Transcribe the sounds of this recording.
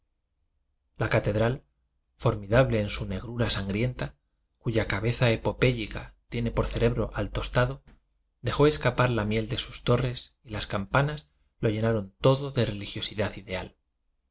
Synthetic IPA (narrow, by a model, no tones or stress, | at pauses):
lakat̪e̞ðɾal | fo̞ɾmiðaβle̞ːnsune̞ɣ̞ɾuɾasaŋɡɾje̞nt̪a | kuʝakaβe̞θaepo̞pe̞ʎikat̪je̞ne̞po̞ɾθe̞ɾe̞βɾo̞ʔalt̪o̞st̪aðo̞ | d̪e̞xo̞e̞skapaɾlamje̞ld̪e̞su̥st̪o̞re̞silaskampanaz | lo̞ʝe̞naɾo̞nt̪o̞ðo̞ðe̞re̞lixjo̞siðaθiðe̞al